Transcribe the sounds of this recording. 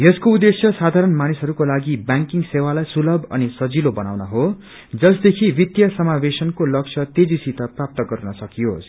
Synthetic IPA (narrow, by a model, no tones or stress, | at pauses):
jʌskoud̪ːesjʌsad̪ʱaɾʌnmanisɦʌɾukolaɡibjaŋkiŋsewalajsulʌbʱʌnisʌd͡zilobʌnawnʌɦo | d͡zʌsd̪ekʰibit̪jʌsʌmabesʌnkolʌk̚t͡sʰʌt̪ed͡zisit̪ʌprap̚t̪ʌɡʌɾunʌsʌkijos